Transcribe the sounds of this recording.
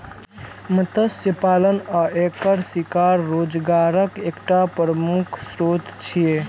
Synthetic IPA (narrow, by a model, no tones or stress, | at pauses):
mət̪əsjəpalənəekəɾsikaɾːod͡ʒɡaɾəkekʈapɾəmukʰsɾot̪t͡ʃʰije